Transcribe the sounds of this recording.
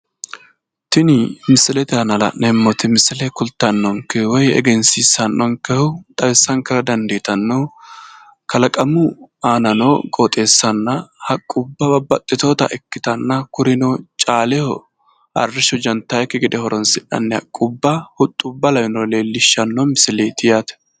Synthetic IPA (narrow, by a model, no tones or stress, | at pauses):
t̪ɪnɪmɪsɪlɛt̪ɛɐnɐlɐ̰nɛmːɔt̪ɪmɪsɪlɛkʊlt̪ːɐnːɔŋkɛwɔjɛ̰ɡɛnsiːsɐnːɔŋkɛhʊt̪ʼɐwɛsːɐŋkɛɾɐd̪ɐnd̪eːt̪ɐnːo | kɐlɐkʼɐmʊaːnɐnoːkʼoːt̪ʼe̞ːsːɐnːɐhɐkʼːʊbːɐbɐbɐt̪ʼːɪt̪oːt̪ɐ̰ʔɛkːɪt̪ɐnːɐkʊɾɪnoːt͡ʃʼaːlɛhɔ | ɐ̰rːɪʃɔd͡ʒɐnt̪ːaɛkːɪɡɪd̪ɛhɔɾɔnsɪᶑɐ̰nːɛɐ̰kʼːʊbːɐhʊt̪ʼːʊbːɐlɐwɪnoːleːlːɪʃːɐnːoːmɪsɪleːt̪ɪjaːt̪ɛ̥